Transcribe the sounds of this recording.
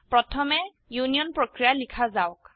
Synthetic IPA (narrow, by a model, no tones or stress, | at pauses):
pɹɔtʰɔmɛ | junijɔnpɹokɹijalikʰazawk